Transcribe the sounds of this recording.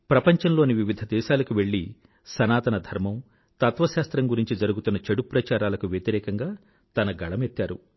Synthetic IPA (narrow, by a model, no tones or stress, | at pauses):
pɾɐpɐɲt͡ʃɐnlo̞ːniʋiʋid̪ʱɐd̪ɛːʃaːlɐkuʋe̞ɭːi | sɐnaːt̪ɐnɐd̪ʱɐɾmɐm | t̪ɐt̪ʋɐʃaːst̪ɾɐŋɡuɾiɲt͡ʃid͡ʒɐɾuɡut̪unːɐt͡ʃɐɽupɾɐt͡ʃaːɾaːlɐkuʋjɐt̪iɾɛːkɐŋɡaː | t̪ɐnɐɡɐɭɐmet̪ːaːɾṵ